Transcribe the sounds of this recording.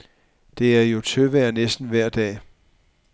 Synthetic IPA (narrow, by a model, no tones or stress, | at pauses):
d̥e̝æɐjo̝t͡sʰøʋæɐnesd̥n̩ʋæɐ̰d̥ɛ̰ː